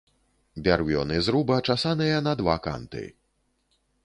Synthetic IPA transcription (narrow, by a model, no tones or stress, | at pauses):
bʲarvʲɔ̰nɨzɾubɐt͡ʂasanɨjɐnɐd̪vaka̰nt̪ɨ̰